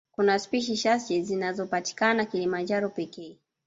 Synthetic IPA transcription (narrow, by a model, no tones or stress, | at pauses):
kunaspiʃ̬iʃasd͡ʒɛzinazɔpati̥kanakilimand͡ʒaɾɔpɛkɛː